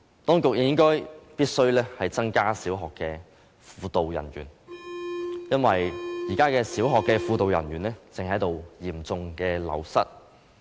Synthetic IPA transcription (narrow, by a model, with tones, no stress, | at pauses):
t̪ɔː˥ŋkʊ˨k̚jɐ˨jɪ˥ŋkɔː˥jpiː˥t̚sɵ˥ɥlɛː˥hɐ˨jt͡sɐ˥ŋkaː˥siː˨˥wɦɔː˨kːɛː˧ | fuː˧t̪o˨wjɐ̰˨˩nɥy̰ː˨˩n | jɐ˥nwɐ˨jjiː˨˩kaː˥kɛː˧siː˨˥wɦɔː˨kːɛː˧fuː˧t̪o˨wjɐ˨˩nɥyː˨˩nlɛː˥t͡sɪ˨ŋhɐ˨˥jt̪o˨wjiː˨˩mt͡sʊ˧ŋkɛː˧lɐ̰˨˧wsɐ̰˥t̚